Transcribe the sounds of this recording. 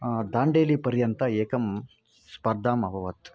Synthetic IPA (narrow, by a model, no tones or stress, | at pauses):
d̪aːɳɖeːlipɐɾjɐnt̪ɐeːkɐm | spɐɾd̪ʱaːmɐbʱɐʋɐt̪